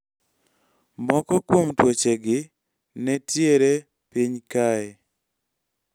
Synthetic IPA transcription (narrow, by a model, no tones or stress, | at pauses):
mɔkɔkwomtwot͡ʃeɡɪ | nɛtjeɾe | piɲkaɛ